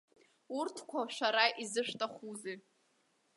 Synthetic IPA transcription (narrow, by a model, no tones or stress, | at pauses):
urtʰkʷʰaʃʷᶣaɾaʔizɨʂtʼaχuzi